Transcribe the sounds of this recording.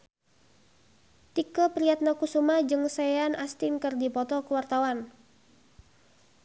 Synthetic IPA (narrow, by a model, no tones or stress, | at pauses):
t̪ikəpɾiat̪̚nakusumad͡ʒɨŋsajanast̪inkərdipɔt̪ɔkəwart̪awan